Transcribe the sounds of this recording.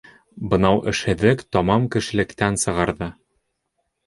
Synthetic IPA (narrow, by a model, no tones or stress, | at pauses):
bɤ̆nɑwʔɘ̆ʃhɘ̆ðɘkt̪ɒmɑmkɘ̆ʃɘ̆lɘ̆kt̪ænsɤ̆ʁɑɾðɤ